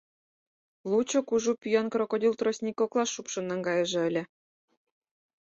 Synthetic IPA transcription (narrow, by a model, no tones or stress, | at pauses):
lˠut͡ɕŏkuʒupʲyjɑnkɾŏkod̪ʲilt̪rosʲnʲikʲoklˠɑsupʃɤ̆nːɑŋɡɑjɤ̆ʒɤ̆ɘ̆lʲɘ̆